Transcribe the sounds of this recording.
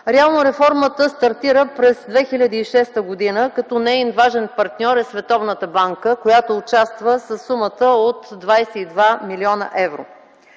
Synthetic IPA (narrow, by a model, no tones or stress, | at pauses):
ɾɛalˠnoɾɛfɔɾmət̪əst̪ɐɾt̪iɾəpɾɛzd̪vɛxilʲəd̪əːʃɛst̪əɡod̪inəkɐt̪ɔnɛinvaʒɛnpɐɾt̪nʲɔɾɛsvɛt̪ɔvnət̪əbaŋkəkojat̪oːt͡ʃast̪vəsəsːumət̪əot̪ːvajsɛid̪vamiliɔnə̰ʔɛvɾo̰